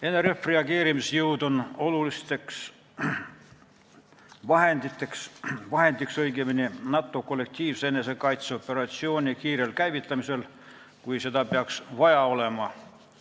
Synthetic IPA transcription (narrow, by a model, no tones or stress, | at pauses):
e̞nːeɾefreɑɡeːɾimisjɯwd̪o̞no̞lulist̪eks | vɑɦe̞nd̪it̪ːeksvɑɦe̞nd̪iksɤjɡeminʲinɑt̪ːˑo̞ko̞lːe̞k̚t̪ʲiːvsenːesekɑjt̪so̞pːe̞ɾɑt̪sio̞ːnʲikiːɾelkæjvit̪ːˑɑmisel | kujsed̪ɑpeɑksvɑjɑo̞le̞mɑ